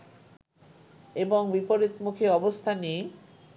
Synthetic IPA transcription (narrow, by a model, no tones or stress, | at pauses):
eboŋbipoɾit̪mukʰeɔbost̪ʰani